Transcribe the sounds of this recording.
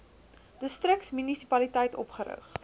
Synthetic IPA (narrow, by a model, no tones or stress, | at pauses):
d̥əstrəksmynisipɐlitɛjtɔ̰pχəɾə̰χ